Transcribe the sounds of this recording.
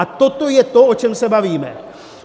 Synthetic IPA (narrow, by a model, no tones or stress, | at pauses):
at̪o̞t̪o̞jɛt̪o̞ot͡ʃɛmsɛbaviːmɛ̰